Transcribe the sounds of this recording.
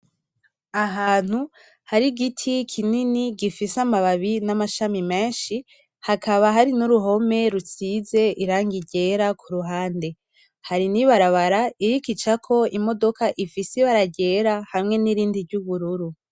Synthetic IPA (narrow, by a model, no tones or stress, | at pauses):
aɦaːn̥hu | haɾiɡitʰikʰininiɡifisamaβaβinamaʃamime̞ːnʃi | hakʰaβaɦaɾinuɾuɦo̞me̞ɾut͡size̞ʔiɾaːŋɡiɟe̞ːɾakʰuɾuɦaːnde̞ | haɾiniβaɾaβaɾaiɾikit͡ʃakʰo̞imo̞do̞kaʔifiseβaɾaɟe̞ɾahamŋe̞niɾiːndiɾɟuβuɾuɾu